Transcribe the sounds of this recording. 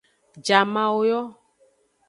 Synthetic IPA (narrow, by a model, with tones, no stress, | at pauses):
d͡ʒa˨mã˦wo˦jɔ˦